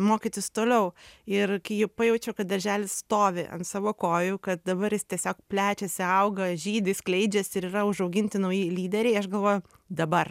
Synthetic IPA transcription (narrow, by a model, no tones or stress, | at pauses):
moːkʲit̪ʲɪst̪oːlʲɛʊɪrkɐɪjɛpɐjɛʊt͡ʃʲɛʊkɐt̪̚d̪ɐɾʲʒʲæːlʲɪsst̪oːʋʲɪʔɐ̰nsɑːʋoːkoːjʊkɐt̪̚d̪ɐbɐɾjɪst̪ʲiɛsʲoːk̚pʲlʲæːt͡ʃʲɛsʲɪɐʊɡɐʒʲiːd̪ʲɪsklʲɛɪd͡ʒʲɛsɪɾiːɾɐʊʒɐʊɡʲɪnʲt̪ʲɪnɐʊjiːlʲiːd̪ʲɛɾʲɛɪɐʃɡɐlˠʋoːjʊ | d̪ɐbɐr